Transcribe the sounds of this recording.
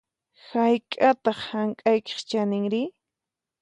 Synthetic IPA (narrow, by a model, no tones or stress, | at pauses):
hajkʼat̪ɑχhaŋkʼajke̥χt͡ʃanɪŋɾɪ